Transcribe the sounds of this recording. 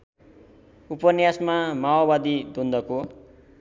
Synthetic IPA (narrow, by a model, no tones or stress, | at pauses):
upʌnjasmamawobad̪id̪ond̪ʌko